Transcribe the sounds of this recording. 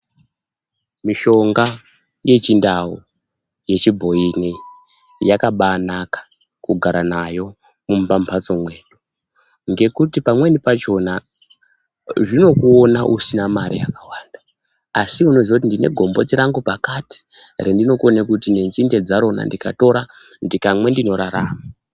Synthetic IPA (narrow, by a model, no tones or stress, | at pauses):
miʃo̞ŋɡa | je̞t͡ʃindawo | je̞t͡ʃibʱo̞ini | jakaɓaːnakḁ | kuɡʱaɾanajo̞ | mumpam̩pʰat͡so̞mwe̞ːɗo | ŋɡe̞kutipamwe̞nipat͡ʃo̞na | ʐino̞kuonaʔusinamaɾḭja̰kawaːnda | asiuno̞ziakut̬indine̞̰ɡʱo̞mbo̞tiɾaŋɡupakati̥rendino̞konekutinenzinde̞d͡zaɾo̞na̰ndikato̞ɾandikamwe̞ndino̞ɾaɾaːma